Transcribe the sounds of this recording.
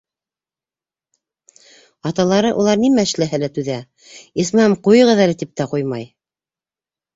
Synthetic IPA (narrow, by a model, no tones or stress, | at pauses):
ɑt̪ɑlˠɑɾɤʔulˠɑɾnimæɘ̆ʃlæɦælæt̪ʉðæ | ismæmqujɤ̆ʁɤ̆ðælɘt̪ip̚t̪æqujmɑj